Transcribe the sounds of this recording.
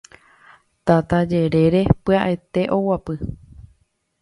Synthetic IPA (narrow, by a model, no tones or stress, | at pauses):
t̪at̪ad͡ʒe̞ɾe̞ɾe̞pɨaʔet̪e̞ʔo̞wapɨ